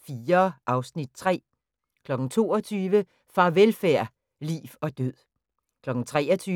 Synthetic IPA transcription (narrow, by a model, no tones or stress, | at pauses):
fiːɐʔɑ̈ʊsnid̥̚t͡sʰʁɛ̰ː | kʰlɒ̽ɡ̥n̩t͡sʰo̝̰ːɒt͡sʰyːʋə | fɑ̈ʋelfæɐ̰ | lḭːfɒ̽d̥øð̰ˠ | kʰlɒ̽ɡ̥n̩t͡sʰʁɛːɒt͡sʰyː